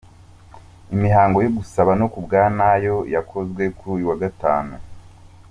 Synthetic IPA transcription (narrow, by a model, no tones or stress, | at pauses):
imihaːŋɡo̞joɡusaβano̞kubɡaːnajo̞jakʰo̞zɡwe̞kuɾujuwaɡata̰ːnu